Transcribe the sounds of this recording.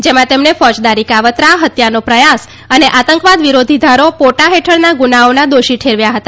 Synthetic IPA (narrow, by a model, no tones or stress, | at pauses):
d͡ʒemãt̪emnefɔd͡ʒd̪aɾikaʋət̪ɾaɦət̪janopɾəjas | əneʔat̪əŋkʋad̪ʋiɾod̪ʱid̪ʱaɾopoʈaɦeʈʰəɭnaɡunaonad̪oʃiʈʰeɾʋjaɦət̪a